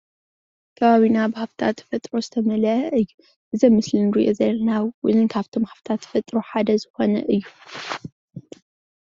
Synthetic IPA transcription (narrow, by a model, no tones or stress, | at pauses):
kʰɐβaβinabɨhaβt̪ʰa̰t̪ːfɐt̪ʼɾo̞zɨt̪ʰɐmɐlɐʔɐʔɨjːu | ʔɨzɐmːɨslɨnɾḭʔo̞zɐlɐnawwɨ̰nɨnkʰaβt̪ʰomhaβt̪ʰat̪ːfɐt̪ʼɾoħad̪ɐzɨxo̞nɐ̰ʔɨjːu